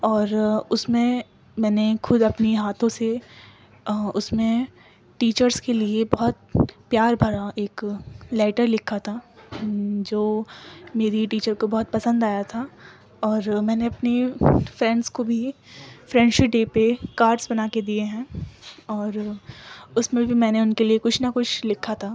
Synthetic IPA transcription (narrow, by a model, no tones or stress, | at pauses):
ɔːɾʊsmẽ | mɛ̃ːnexʊd̪ɐpniɦaːt̪ʰõse | ʊsmẽ | ʈiːt͡ʃəɾskeliebɐɦʊt̪̚pjaːɾbʱɐɾaeːklɛːʈəɾlɪkʰat̪ʰa | d͡ʒoːmeːɾiʈiːt͡ʃəɾkobɐɦʊt̪̚pɐsə̃nd̪aːjat̪ʰa | ɔːɾmɛ̃ːneɐpnefɾɛ̃ːɳɖskobʱifɾɛ̃ːɳɖʃɪʈ̚ɖeːpekaːɾʈsbɐnaːked̪ieɦɛ̃ːɔːɾ | ʊsmẽbʱimɛ̃ːneʊnkeliekʊt͡ʃʰnakʊt͡ʃʰlɪkʰːat̪ʰaː